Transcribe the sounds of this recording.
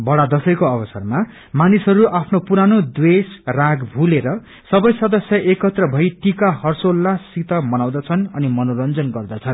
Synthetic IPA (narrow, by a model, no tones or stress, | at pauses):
bʌɽad̪ʌsʌjkoʌbʌsʌrma | manisɦʌɾuʔapʰnopuɾanod̪wesraɡbʱuleɾʌ | sʌbʌjsʌd̪ʌsjʌʔekʌt̪rʌbʱʌjʈikahʌrsolːasit̪ʌmʌnaw̃d̪at͡sʰʌnʌnimʌnoɾʌnd͡zʌnɡʌrd̪at͡sʰʌn